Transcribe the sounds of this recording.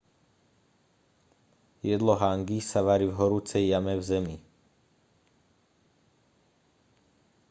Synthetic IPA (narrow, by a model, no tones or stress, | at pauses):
jɛd̪lɔɦaŋɡisaʋaɾivɦɔɾuːt͡sɛjːamɛvzɛmi